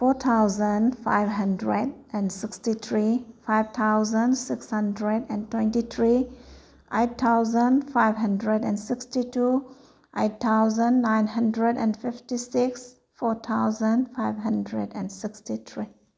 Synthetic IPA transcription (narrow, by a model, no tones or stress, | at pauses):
fɔt̪ʰawzə̃nfa̰jvɦə̃ndɹed̚ʔɛ̃nsikstit̪ʰɹifajvt̪ʰawzə̃nsɪkshə̃ndɹedɛ̃ntwɛ̃ntit̪ʰɹi | ʔett̪ʰawzə̃nfajvɦə̃ndɹɛdɛ̃nsɪkstitu | ʔet̚t̪ʰːawzə̃nːãjnɦə̃ndɹɛdɛ̰̃nfiftisiks | fɔt̪ʰawzə̃nfajvɦə̃ndɹedɛ̰̃nsikstit̪ʰɹi